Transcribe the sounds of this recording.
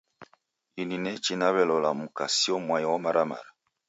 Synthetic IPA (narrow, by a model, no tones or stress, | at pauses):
ininɛt͡ʃinaβɛlɔlamukasiɔmwajɔmaɾama̰ɾa